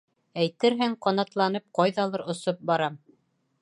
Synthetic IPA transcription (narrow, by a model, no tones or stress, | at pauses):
æjt̪ɘɾɦɘŋqɑnɑt̪lˠɑnɤp̚qɑjðɑlˠɤɾŏsop̚bɑɾɑm